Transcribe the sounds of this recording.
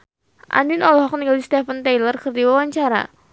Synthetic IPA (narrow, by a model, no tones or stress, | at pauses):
ʔa̰ndinɔlɦɔk̚niɡalist̪ɛfənt̪ejlərkɨrd̪iwawaɲt͡ʃaɾa̰